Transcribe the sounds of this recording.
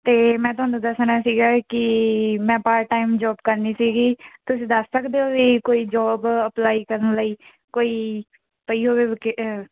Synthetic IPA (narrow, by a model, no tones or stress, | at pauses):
t̪eːmɛ̃ːt̪ʊɦaːnũːd̪əsnaːsiːɡaːkɪmɛ̃ːpaːɾʈaːimd͡ʒɔːb̚kəɾniːsiːɡiːt̪ʊsĩːd̪əsːəkd̪eːoːʋiːkoːiːd͡ʒɔːbəplaːiːkəɾənləiː | koːiː | pəiːɦoːʋeːʋkɪ